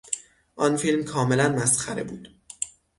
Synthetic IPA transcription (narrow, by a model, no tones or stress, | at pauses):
ʔɒnfilmkʰɒːme̞lænmæsxæɾe̞̰buːd̪̥